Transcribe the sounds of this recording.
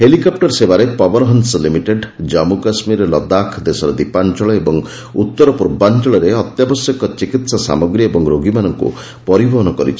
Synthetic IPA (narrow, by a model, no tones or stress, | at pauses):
ɦelikɔp̚ʈɔɾsebaɾepɔbɔnɔɦɔnsɔlimiʈeɖd͡ʒɔmukasmiɾlɔd̪akʰd̪esɔɾɔd̪ipant͡ʃɔɭɔebɔŋ | ut̪ːɔɾɔpuɾbant͡ʃɔɭɔɾeɔt̪jabɔsjɔkɔt͡ʃikit̪sasa̰mɔɡɾijebɔŋɾoɡimanɔŋkṵ | pɔɾibɔɦɔnɔkɔɾḭt͡ʃʰi̥